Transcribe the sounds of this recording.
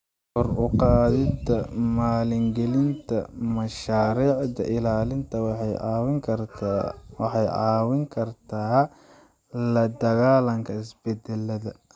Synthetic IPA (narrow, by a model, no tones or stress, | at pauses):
hɔrʊqɑːðɪt̪ʰɐmaːlɪŋɡɛlɪnt̪ʰɐmɐʃaːɾiːʕd̪ɐ̰ʔɪlaːlɪnt̪ʰɐwwɪŋkʰɐr | wɑħɑjʕɑːwɪŋkʰɐrt̪ʰa | lɐd̪ɐɣaːlɐŋkʰɐɪsbɛd̪ɛlːɐðɐ